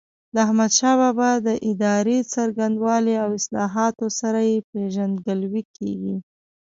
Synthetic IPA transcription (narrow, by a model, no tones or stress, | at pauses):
d̪əahmad̪ʃɑbabad̪əʔɪd̪ɑɾet͡saɾɡand̪wɑleawɪslɑɦɑt̪osaɾajepeʒand̪ɡəlwikḛɡi